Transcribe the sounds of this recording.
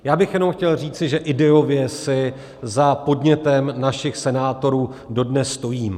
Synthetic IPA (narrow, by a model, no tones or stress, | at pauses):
jaːbɪxjɛnomxcɛlr̝iːt͡sɪʒɛʔɪdɛo̞vjɛsɪ | zapo̞dɲɛt̪ɛmnaʃɪxsɛnaːt̪o̞ɾuːdo̞dnɛsːt̪o̞jiːm